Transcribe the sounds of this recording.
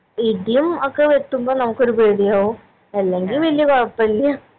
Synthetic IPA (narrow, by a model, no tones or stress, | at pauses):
iɖijumokːeʋeʈ̪ːumboːnɐmukːo̞ɾupeːɽijaːʋu | ɐlːeŋɡilʋɐlijɐkoɻɐpːɐɐlːijɐ